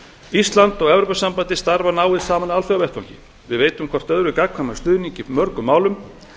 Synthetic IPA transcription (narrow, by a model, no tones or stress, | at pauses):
ist̪lant̪ɔɣɛvɾowpasːampant̪ɪst̪aɾvanaːwɪðsaːmanalfjawvɛht̪vawɲcɪ̰ | vɪðveːjt̪ʏmkʰvɔr̥t̪œðɾʏkakkʰamḁst̪ʏːðniɲcɪmœɾkʏmaːwlʏm